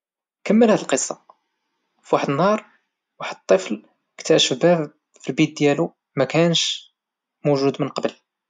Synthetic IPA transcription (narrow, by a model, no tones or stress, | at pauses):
kəmːəlhæd̪əlqəsˤːɑ | fwaħəd̪ənhɑɾˤ | waħəd̪ət̪ˤːəfl | kt̪æʃəbæb | filbit̪̚d̪jælu | mækænʃ | muʒud̪mənqɑbəl